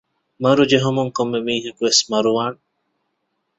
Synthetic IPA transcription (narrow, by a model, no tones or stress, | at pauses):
maɾud͡ʒeɦɔmɔŋkɔmːemiːɦekwesmaɾuwan